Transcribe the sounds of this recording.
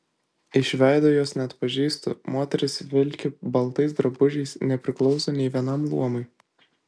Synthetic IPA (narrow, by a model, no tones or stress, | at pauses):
ɪʃʲʋʲæˑɪd̪oːjoːsnʲɛɐt̪pɐʒʲiːst̪o̰moːt̪ʲɛɾʲɪsʋʲɪlʲkʲɪbɐlˠt̪ɐɪs̬d̪ɾɐbʊʒʲɛɪsnʲɛpʲɾʲɪklˠɒʊsoːnʲɛɪʋʲiɛnɐmlˠuɔmɔɪ